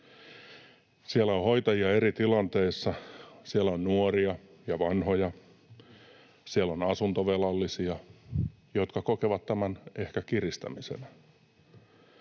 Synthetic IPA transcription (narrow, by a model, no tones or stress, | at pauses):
sielæohojt̪ɑjiɑe̞rit̪ilɑnt̪e̞isːɑsielæonnuoriɑ | jɑʋɑnho̞jɑ | sielːo̞nɑsunt̪oʋelɑlːisiɑ | jo̞t̪kɑkokeʋɑt̪ːæmæne̞hkækirist̪æ̰misḛnæ